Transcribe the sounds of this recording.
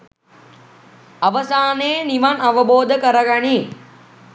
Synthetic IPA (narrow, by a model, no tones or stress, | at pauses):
ɐʋəsaːneːniʋɐnɐʋəboːd̪ʱəkɐɾəɡɐɳiː